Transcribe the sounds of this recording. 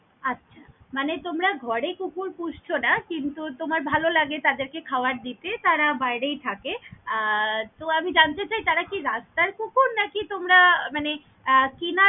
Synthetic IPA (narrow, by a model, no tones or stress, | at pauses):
atːɕʰamanet̪omɾaɡʱɔɾekukuɾpud͡ʑt͡ɕʰonakint̪ut̪omaɾbʱalolaɡet̪ad̪eɾkekʰaoaɾd̪it̪et̪aɾabajɽejt̪ʰake | t̪oamid͡ʑant̪et͡ɕajt̪aɾakiɾast̪aɾkukʰunnakit̪omɾamane | kina